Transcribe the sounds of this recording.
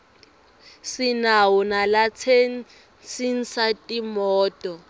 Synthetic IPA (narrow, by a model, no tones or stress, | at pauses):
sinawunalat͡sʰen | sin̩satʼimɔːtʼɔ